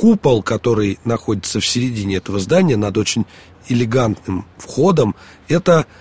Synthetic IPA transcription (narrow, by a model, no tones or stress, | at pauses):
kupəlˠkɐt̪o̞ɾɨjnɐxo̞dʲɪt̪səfsʲɪɾʲɪdʲinʲɪɛt̪əvəzd̪anʲɪjənɐd̪o̞t͡ɕɪnʲ | ɪlʲɪɡant̪nɨmfxo̞d̪əm | ɛt̪ə